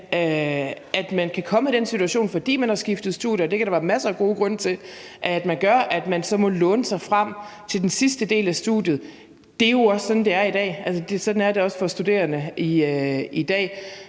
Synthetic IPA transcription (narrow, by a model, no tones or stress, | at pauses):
øʔæd̥mænkʰækʰɒ̽məid̥ensit͡sʰuæɕo̝̰ːnfɒ̽d̥ḭːmænhɑ̈sɡ̥ifd̥ð̞̩ˠsd̥uð̰ˠjɐɒd̥ekʰæɾ̥ɑʋæɐmæsɐːɡ̥o̝ːɡ̥ʁɔ̽n̰t͡sʰe̝lʔæd̥mænɡ̥ɶɐʔæd̥mænsɒ̽mɒ̽lɔ̽ːnəsɑ̈ɪfʁam̰t͡sʰe̝ld̥ensisd̥əd̥e̝̰ːlæsd̥uð̥ˠjð̩ˠ | d̥e̝jo̝ɒ̽ssɒ̽d̥n̩d̥e̝æɐid̥ɛ̰ːælsəd̥e̝sɒ̽d̥n̩æɐde̝ɒ̽sfɒ̽sd̥ud̥e̝̰ːɐnəiøid̥ɛ̰ː